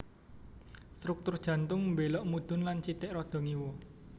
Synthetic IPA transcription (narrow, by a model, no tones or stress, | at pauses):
st̪ɾuk̚t̪ʊrd̥ʒ̥ä̤nt̪ʊŋmbelɔʔmud̪̥ʊ̤nlant͡ʃit̪ɪʔrɔd̪̥ɔ̤ŋiwɔ